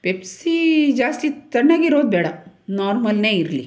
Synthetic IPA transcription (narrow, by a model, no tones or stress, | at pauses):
pepsid͡ʒaːst̪it̪ɐɳːaːɡiɾoːd̪̚beːɽa | naːɾmɐlneːiɾlḭ